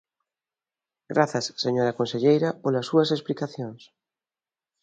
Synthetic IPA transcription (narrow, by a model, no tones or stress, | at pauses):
ɡɾaθɐsːeɲoɾakõnseʎejɾapolasuɐsesplikaθjõŋs